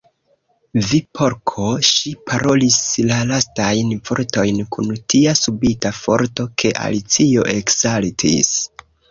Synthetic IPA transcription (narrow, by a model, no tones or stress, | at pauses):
vipʰo̞ɾkʰo̞ʃipʰaɾo̞lislalastajnfo̞ɾto̞jnkʰuntʰiasubitafo̞̰ɾto̞kʰe̞ʔa̰lit͡sio̞ʔekzaltʰḭs